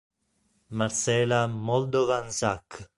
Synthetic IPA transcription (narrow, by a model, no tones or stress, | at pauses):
maɾsɛːlamɔld̪ovansakː